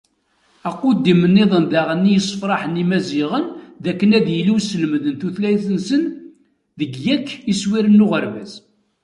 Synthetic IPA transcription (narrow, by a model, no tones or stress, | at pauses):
æqːʊd̪ːimənːeðˤənd̪æʁənːijəsˤfɾˤɑħənimæzɪʁənðækːənæðjəlisəlmðənθuθlæjθənsən | ðəɡjækːiswiɾənːʊʁəɾvæz